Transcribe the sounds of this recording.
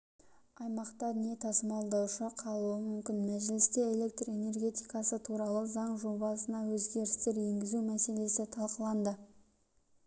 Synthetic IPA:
ɑjmɑqt̪ɑnje̞t̪ʰɑsəmɑlˠd̪ɑwʃəqʰɑlˠuəmʏmkʲɪnmæʒɪlɪst̪e̞ːle̞k̚t̪re̞ne̞rɡʲe̞t̪ijkɑsət̪ʰuɾɑlˠəzɑɴʒobɑsənɑwɵzɡʲe̞ɾɪst̪e̞ɾje̞ŋɡʲɪzumæse̞le̞sɪt̪ʰɑlˠqəlˠɑnd̪ə

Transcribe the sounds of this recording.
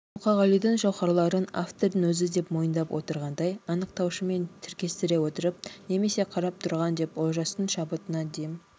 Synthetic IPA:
muqɑʁɑlˠijd̪ɪɴʒɑwχɑɾlˠɑɾəna̰ft̪o̞ɾd̪əŋwɵzɪd̪e̞pmo̞jənd̪ɑpwʔo̞̰t̪əɾʁɑnd̪ɑjɑnəqt̪ɑwʃəme̞nt̪ʰɪɾkʲe̞st̪ɪɾe̞wo̞t̪əɾəp̚ne̞me̞se̞qʰɑɾɑp̚t̪ʰʊɾʁɑnd̪e̞pwolˠʒɑst̪əɴʃɑbət̪ənɑd̪ejm

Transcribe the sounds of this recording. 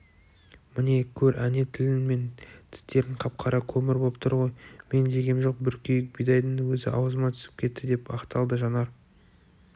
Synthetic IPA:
mɪne̞kʲʰɵɾæne̞t̪ʰɪlɪnme̞nt̪ʰɪ̥st̪e̞ɾɪɴqʰɑp̚qʰɑɾɑkʲʰɵmɪɾbo̞lˠəp̚t̪əɾʁo̞jme̞nʒe̞ɡʲe̞mʒo̞q̚bʏɾkʲejɪk̚bijd̪ɑjd̪ənwɵzɪ̰ʔɑ̰wəzəmɑt̪ʰʏ̥sɪ̥p̚kʲʰe̞t̪ːɪd̪e̞pɑ̰qt̪ɑlˠd̪əʒɑnɑɾ

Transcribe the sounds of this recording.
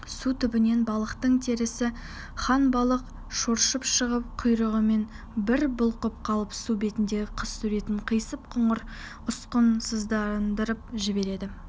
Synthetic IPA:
sut̪ʰʏbɪne̞nbɑlˠəqt̪əɴt̪ʰe̞ɾɪsɪ | χɑnbɑlˠəq | ʃoɾʃəpʃəʁəp̚qʰʊjɾəʁəme̞n | bɪɾbʊlˠqʊp̚qʰɑlˠəpsube̞t̪ɪnd̪e̞ɡʲɪqʰəssɵɾe̞t̪ɪɴqʰəjsəp̚qʰʊɴəɾ | ʊsqənsəzd̪ɑnd̪əɾəp̚ʒɪbe̞ɾe̞d̪ɪ

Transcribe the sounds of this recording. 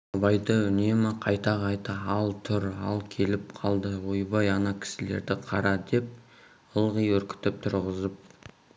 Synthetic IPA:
ɑbɑjd̪əʏne̞mɪqʰɑjt̪ɑʁɑjt̪əɑlˠt̪ʰʏɾɑ̰lˠkʲʰe̞lɪpqʰɑlˠd̪əwo̞jbɑjɑnɑkʲʰɪ̥sɪle̞̰ɾd̪ɪqʰɑɾɑd̪e̞p̚ | əlˠʁijwɵɾkʲɪ̥t̪ɪp̚t̪ʰʊɾʁəzəp̚

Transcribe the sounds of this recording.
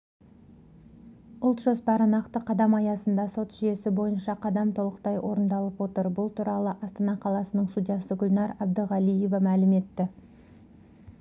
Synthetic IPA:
ʊlˠt̪ʒ̥ospɑɾənɑqt̪əqʰɑd̪ɑmɑjɑsənd̪ɑso̞t̪ʒ̥ije̞sɪbo̞jənʃɑqʰɑd̪ɑmt̪ʰo̞lˠəqt̪ɑjwʔo̞ɾənd̪ɑlˠəpwo̞t̪əɾbʊlˠt̪ʰuɾɑlˠəʔɑst̪ɑnɑqʰɑlˠɑsənəɴst̪ud̪ʲjɑsəɡʲʊlnɑɾɑb̚d̪əʁɑlije̞vɑmælɪme̞t̪ːɪ

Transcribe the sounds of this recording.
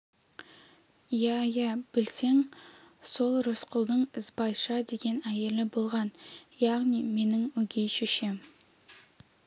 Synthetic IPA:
jæjæb̥ɪlse̞ŋso̞lˠɾosqʰʊlˠd̪əɴɪzbɑjʃɑd̪e̞ɡʲe̞næje̞lɪbo̞lˠʁɑnjɑʁnime̞nɪŋwɵɡʲe̞jʃeʃem

